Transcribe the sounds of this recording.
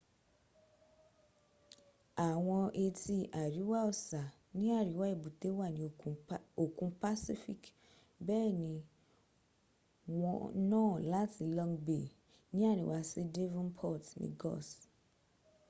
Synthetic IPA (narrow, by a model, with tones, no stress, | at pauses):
a˨w̃ɔ̃˧ʔe˧ti˧ʔa˨ɾi˨˦wa˦ɔ˦sa˨ | nĩ˦a˦˨ɾi˨˦wa˦e˦˨bu˨t̪e˨˦wa˦˨nĩ˨˦˨o˨kũ˧pa˦si˦fḭ˦k | bɛː˦˨nĩ˧ | wɔ̃˧nɔ̃ː˦la˦ti˧˨lɔ̃˧ŋbe˨ | nĩ˦a˦˨ɾḭ˨wa˧se˦de˦vɔ̃˦npʰɔ˦˨tnḭ̃˧ɡɔ̰˦˨s